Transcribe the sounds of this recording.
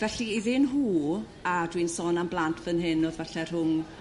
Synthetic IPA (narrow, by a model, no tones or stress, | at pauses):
vɛɬiiðɪnɦuː | adwinsɔːnamblˠantʰvənɦɪnoːðvɛɬɛr̥ʊŋ